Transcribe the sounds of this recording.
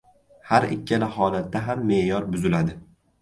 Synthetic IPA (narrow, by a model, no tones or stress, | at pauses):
haɾɪ̰kʲʰːalɪɦɒlat̪ːaɦamːe̞jɒɾbʊzɪlad̪ɪ